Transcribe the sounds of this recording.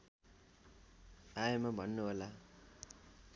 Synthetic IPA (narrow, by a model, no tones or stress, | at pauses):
ajemabʱʌnːuɦola